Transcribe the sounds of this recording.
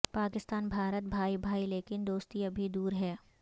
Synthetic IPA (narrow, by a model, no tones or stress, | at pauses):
paːkɪst̪aːnbʱaːɾət̪̚bʱaːibʱaːileːkɪnd̪oːst̪iɐ̃bʱid̪uːɾɦɛː